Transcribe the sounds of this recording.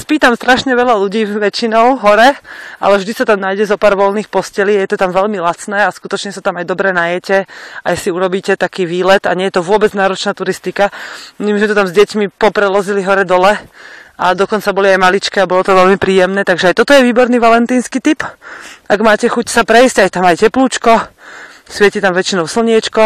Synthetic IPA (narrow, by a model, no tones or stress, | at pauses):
spiːt̪amst̪ɾaʃɲɛʋɛʎaʎuɟiːʋɛt͡ʃinɔʊɦɔɾɛʔa̰lɛvʒd̪isat̪amnaːjɟɛzɔpaːɾʋɔlniːxpɔscɛliːajɛt̪ɔt̪amʋɛʎmilat͡snɛːaskut̪ɔt͡ʃɲɛsat̪amajd̪ɔbɾɛnajɛcɛa̰jsiuɾɔbiːcɛt̪akiːʋiːlɛt̪aɲɛjɛt̪ɔʋʊɔbɛd͡znaːɾɔt͡ʃnaːt̪uɾist̪ikamimizmɛt̪ɔt̪amzɟɛcmipɔpɾɛlɔziliɦɔɾɛd̪ɔlɛad̪ɔkɔnt͡sabɔliajmalit͡ʃkɛabɔlɔt̪ɔʋɛlmipɾiːjɛmnɛːt̪aɡʒɛajt̪ɔt̪ɔjɛʋiːbɔɾniːʋalɛnt̪iːnskiːt̪ipaɡmaːcɛxucsapɾɛjsɟajt̪amajcɛpluːt͡ʃkɔ | sʋɪɛcit̪amʋɛt͡ʃinɔʊsl̩ɲɪɛt͡ʃkɔ